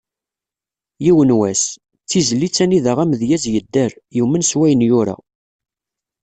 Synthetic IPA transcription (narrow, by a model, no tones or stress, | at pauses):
jiwənwæs | t͡sːizəlːit͡sːæniðəʁæmðjæzjəd̪ːəɾjimənswæjənjʊɾa̰